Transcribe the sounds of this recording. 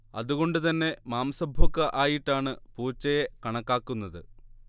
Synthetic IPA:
ɐ̰ðuɣo̞ɳɖɨt̪ɐnːe̞maːmɐsɐbʱokːɨʔaːjiʈːaːɳɨpuːt͡ɕːɐjekɐɳɐkːaːkːunːɐðɨ

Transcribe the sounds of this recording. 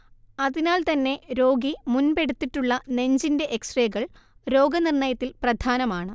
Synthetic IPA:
ɐðinaːlt̪ɐnːe̞ɾo̞ːɡimunpe̞ɽut̪ːiʈːuɭːɐne̞ɲd͡ʑinde̞ʔeksreːɣɐɭ | ɾo̞ːɡɐnirɳɐjɐt̪ːilprɐd̪ʱaːnɐmaːɳɨ

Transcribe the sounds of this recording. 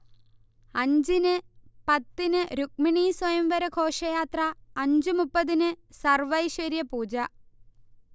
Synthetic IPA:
ɐɲd͡ʑinɨpɐt̪ːinɨɾuk̚miɳiːswɐjɐmʋɐɾɐkʰoːʂɐjaːt̪rɐɐɲd͡ʑɨmupːɐðinɨsɐrʋɐjʂɐɾjɐpuːd͡ʑɐ

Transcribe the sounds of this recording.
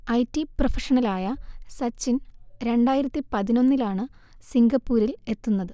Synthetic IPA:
ɐjtːiprofɐʂɐɳɐlaːjɐsɐt͡ɕːinɾe̞ɳɖaːjiɾɐt̪ːipɐðino̞nːilaːɳɨsiŋɡɐpːuːɾile̞t̪ːunːɐðɨ

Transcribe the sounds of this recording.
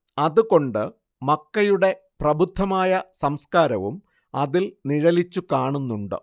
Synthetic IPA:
ɐðuko̞ɳɖɨ | mɐkːɐjuɽe̞ | prɐbʱud̪ʱːɐmaːjɐsɐmskaːɾɐʋum | ɐðilniɻɐlit͡ɕːukaːɳunːuɳɖɨ̰

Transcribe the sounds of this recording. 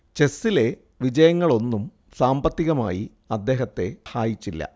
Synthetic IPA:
t͡ɕe̞sːile̞ | ʋid͡ʑɐjɐŋːɐɭo̞nːum | saːmbɐt̪ːiɣɐma̰ːji | ɐd̪ːe̞ːɦɐt̪ːe̞haːjit͡ɕːilːɐ̰

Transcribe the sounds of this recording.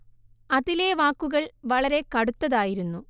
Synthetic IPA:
ɐðile̞ʋaːkːuɣɐɭʋɐɭɐɾe̞kɐɽut̪ːɐðaːjiɾunːu

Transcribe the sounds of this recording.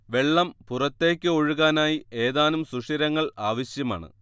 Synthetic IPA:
ʋe̞ɭːɐmpurɐt̪ːe̞ːkʲːɨo̞ɻuɣaːnaːjie̞ːðaːnumsuʂiɾɐŋːɐɭaːʋɐɕjɐma̰ːɳɨ̰

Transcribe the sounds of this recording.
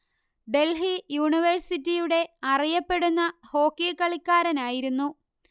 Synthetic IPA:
ɖe̞lɦijuːɳiʋɐrsitːijuɽe̞ɐrijɐpːe̞ɽunːɐho̞ːkːikːɐɭikʲːaːɾɐnaːjiɾunːu

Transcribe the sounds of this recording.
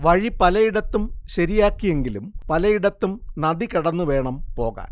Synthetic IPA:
ʋɐɻipɐlɐjiɽɐt̪ːumɕɐɾijaːkːije̞ŋɡilumpɐlɐjiɽɐt̪ːumnɐd̪ikɐɽɐnːuʋe̞ːɳɐmpo̞ːɣa̰ːn

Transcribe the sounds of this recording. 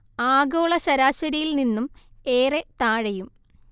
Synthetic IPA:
aːɡo̞ːɭɐɕɐɾaːɕɐɾijilninːume̞ːret̪aːɻɐjum

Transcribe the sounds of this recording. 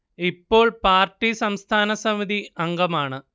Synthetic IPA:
ipːo̞ːɭpaːrʈːisɐmst̪ʰaːnɐsɐmiðʱiɐŋɡɐmaːɳɨ

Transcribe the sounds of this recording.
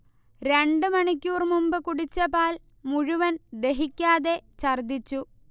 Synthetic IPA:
ɾe̞ɳɖɨmɐɳikʲːuːrmumbɨkuɽit͡ɕːɐpaːl | muɻuʋɐnd̪e̞ɦikʲːaːðe̞t͡ɕɐrd̪it͡ɕːu

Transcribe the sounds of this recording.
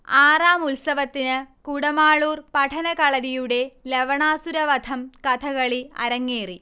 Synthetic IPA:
aːraːmulsɐʋɐt̪ːinɨkuɽɐmaːɭuːrpɐʈʰɐnɐkɐɭɐðijuɽe̞leʋɐɳaːsuɾɐʋɐd̪ʰɐmkɐt̪ʰɐɣɐɭiɐ̰ɾɐŋːeːri

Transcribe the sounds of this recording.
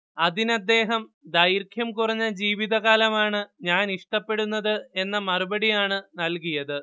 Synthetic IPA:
ɐðinɐd̪ːe̞ːɦɐmd̪ɐjiɾkʰjɐmkurɐɲːɐd͡ʑiːʋiðɐɣaːlɐmaːɳɨɲaːniʂʈɐpːe̞ɽunːɐðɨe̞nːɐmɐrubɐɽijaːɳɨnɐlkijɐðɨ

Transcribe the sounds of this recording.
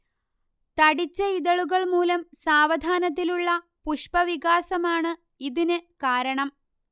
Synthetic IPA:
t̪ɐɽit͡ɕːɐiðɐɭuɣɐɭmuːlɐmsaːʋɐd̪ʱaːnɐt̪̬ːiluɭːɐ | puʂpɐʋiɣaːsɐmaːɳɨ | iðinɨkaːɾɐɳɐm

